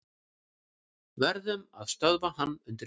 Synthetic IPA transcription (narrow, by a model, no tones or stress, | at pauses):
vɛɾðʏma̰ðst̪œðvahanːʏnt̪ɪ